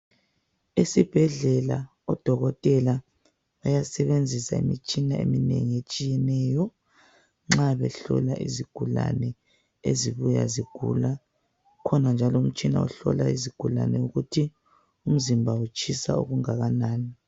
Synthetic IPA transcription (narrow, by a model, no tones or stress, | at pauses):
isib̥ʱɛɮɛla | ɔd̥ʱɔɣɔtʼɛla | βajasɛβend͡zʱisaḭmit͡ʃʼinaḛminḛŋiet͡ʃʼijɛnɛːjɔ | ŋ͡ǁaβɛ̰ɬɔ̰laʔḭziɡ̥ʱula̰nɛ | eziβuja̰ziɡ̥ʱṵla | kʰɔnand͡ʒʱalɔum̩t͡ʃʼina̰ṵɬɔ̰laiziɡ̥ʱula̰nɛuɣutʰi | um̩zimbʱaut͡ʃʰʼisa̰ṵɣuŋaɣanaːni